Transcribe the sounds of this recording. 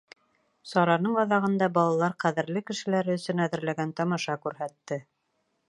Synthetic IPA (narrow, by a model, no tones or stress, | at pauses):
sɒɾɑnɤɴwɑðɑʁɤ̆nd̪ɑbɑlˠɑlˠɑɾqæðɘ̆ɾlɘkɘ̆ʃɘ̆læɾɘɵ̆sɵnæðɘ̆ɾlæɡænt̪ɒmɑʃɑkʉɾɦæt̪ːɘ